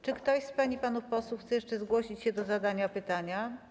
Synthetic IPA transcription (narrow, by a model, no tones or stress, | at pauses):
t͡ʂɘkt̪ɔɕspaɲipanufpɔswuxt̪sɛjɛʂt͡ʂɛzɡwɔɕit͡ɕɕɛd̪ɔzad̪aɲapɘt̪aɲa